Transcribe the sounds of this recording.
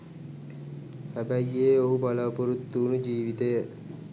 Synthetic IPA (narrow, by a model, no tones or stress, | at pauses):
hæbæjːeːoɦubalaːpoɾut̪ːuːnud͡ʒiːʋit̪ejə